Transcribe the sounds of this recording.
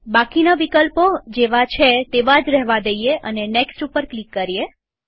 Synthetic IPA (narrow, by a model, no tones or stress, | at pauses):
bakinaʋikəlpod͡ʒeʋat͡ʃʰet̪eʋad͡ʒɾɛɦʋad̪əijeəneneksʈupəɾklikːəɾije